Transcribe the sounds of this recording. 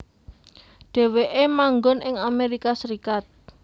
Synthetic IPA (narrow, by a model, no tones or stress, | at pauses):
ɖ̪̥e̤weʔemaŋɡɔnɪŋameɾikasəɾikat̪̚